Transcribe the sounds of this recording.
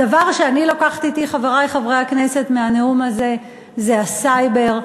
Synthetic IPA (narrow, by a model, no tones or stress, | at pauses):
davaʁʃeanilo̞kaχt̪iːt̪iχaveʁajχavʁe̞jhaknese̞t̪meaneumaze̞ | zeasajbe̞ʁ